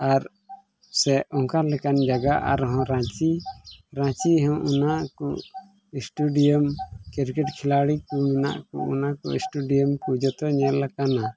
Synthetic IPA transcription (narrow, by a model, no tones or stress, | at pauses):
aɾ | sɛɔŋkaɾlɛkand͡ʒaɡaʔa̰ɾɦɔ̃ɾãt͡ʃiɾãt͡ʃiɦɔ̃ʔunaʔkɔ | isʈuɖiɔmkiɾkɛʈkʰilaɽikumina̰ʔkɔ̰ṵnakɔ̰isʈuɖijɔmkud͡ʒɔt̪ɔɲɛllːakana